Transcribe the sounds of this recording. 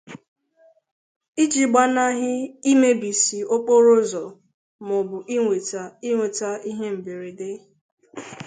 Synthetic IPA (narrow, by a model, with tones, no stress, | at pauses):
i˦d͡ʒi˦ɡ͡ba˦na˦ɦɪ˦i˦me˦bi˨si˨o˦k͡po˦ɾo˦zɔ˨ | mʊ˨bʊ˨ʔi˦ŋʷe˨ti˦ŋʷe˨ta˦i˦ɦe˦m̩˨be˨ɾe˨de˦